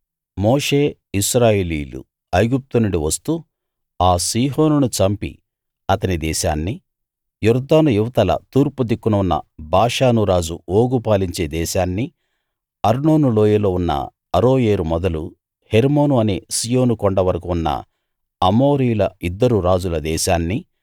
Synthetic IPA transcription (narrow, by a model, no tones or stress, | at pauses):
moːʂeː | iʃɾaːjeːliːlṵ | ɐjɡup̚t̪unuɽiʋɐst̪u | aːsiːɦo̞ːnunut͡ʃɐmpḭ | ɐt̪ɐnid̪ɛːʃa̰ːnːi | juɾd̪aːnujuʋɐt̪ɐlɐ̰t̪uːɾpud̪ikːunɐunːɐ̰bʱaːʂaːnuɾaːd͡ʒuoːɡupaːliɲt͡ʃe̞ːd̪ɛːʃaːnːi | ɐɾnoːnulo̞ːjɐlo̞ːunːɐ̰ | ɐɾo̞ːjeːɾumɔd̪ɐlu | heɾmo̞ːnuɐne̞ːsijo̞ːnukɔɳɖɐʋɐɾɐkuunːɐ̰ | ɐmo̞ːɾijulɐid̪ːɐɾuɾaːd͡ʒulɐd̪ɛːʃaːnːi